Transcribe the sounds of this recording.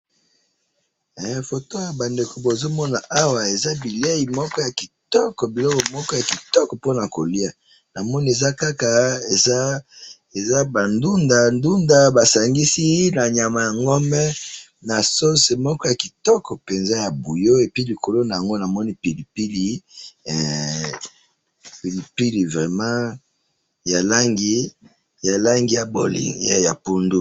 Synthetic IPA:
ɛ˨fo˨to˦ja˨ba˨nde˨ko˨bo˨zo˦mɔ˦na˨ʔa˦wa˨e˨za˦bi˨li˦a˦ji˨mɔ˦kɔ˦ja˨ki˨tɔ˦kɔ˨bi˨lɔ˦kɔ˨mɔ˦kɔ˦ja˨ki˨tɔ˦kɔ˨po˦na˨ko˨li˦a˨ | na˨mɔ˦ni˦e˨za˦ka˦ka˨e˨za˦ | e˨za˦ba˨ndu˦nda˨ndu˦nda˦ba˨sa˨ŋɡi˦si˦na˨ɲa˨ma˨ja˨ŋɡɔ˦mɛ˦ | na˨so˦se˨mɔ˦kɔ˦ja˨ki˨tɔ˦kɔ˨pe˨nza˦ja˨bu˨jo˦e˨pi˦li˨ko˨lo˦na˨ja˨ŋɡo˦na˨mɔ˦ni˦pi˨li˨pi˦li˨ɛ˨ | pi˨li˨pi˦li˨vʁɛ˨mã˦ | ja˨la˦ŋɡi˦ | ja˨la˦ŋɡi˦ja˨bo̰˨lḭ˨ŋa˦ja˨pu˦ndu˦

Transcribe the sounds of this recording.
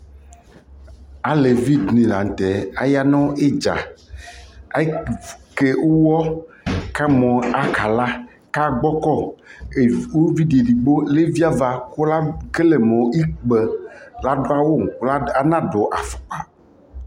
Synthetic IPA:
a˨le˨vi˦d̪nĩ˨la˨ŋ˨t̪ɛ˨a˦ja˦nɔ̃˦e˦d͡ʒa̰˨˦ | ke˦wo˦wɔ˦ | ka˦mɔ̃˨a˨ka˨la˦ | ka˦ɡ͡bɔ˦kɔ˦˨ | wo˦vi˦ɖe˨ɖi˨ɡ͡bo˦le˦vi˦a˦va˦ko˦la˦ke˦le˨mɔ̃˨i˦k͡pɛ˨la˦ɖo˦a˦wo˦ŋ˨˦la˦a˦nã˦ɖo˨ʔa˨fɔ̥˨k͡pa˨

